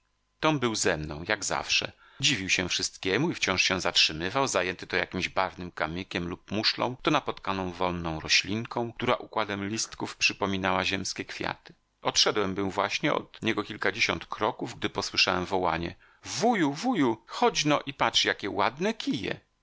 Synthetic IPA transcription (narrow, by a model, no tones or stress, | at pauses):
t̪ɔmbɘwzɛmnɔ̰̃w̃jaɡza̰fʂɛ̰ | d͡ʑivʲiwɕɛfʂɘst̪kʲɛmuift͡ɕɔ̃w̃ʂɕɛ̃zatʂɘmɘvawzajɛnt̪ɘt̪ɔja̰kʲimʑbavnɘmkamʲikʲɛmlup̚muʂlɔ̰̃w̃t̪ɔnapɔt̪kanɔ̃w̃vɔlnːɔ̃w̃ɾɔɕlʲiŋkʰɔ̃w̃t̪uɾa̰ʔukwad̪ɛmlʲist̪kufpʂɘpɔmʲinawaʑɛmskʲɛkfʲja̰t̪ɘ̥ | ɔt̪ʂɛd̪wɛmbɘwvwaɕɲɛɔ̰d̪ɲɛɡɔkʲilkad͡ʑeɕɔ̰nt̪kʰɾɔkuvɡ̚d̪ɘpɔswɘʂawɛmvɔwaɲɛ̰ | vujuvujuxɔd͡ʑnɔʔipatʂjakʲɛwad̪nɛkʲijɛ̰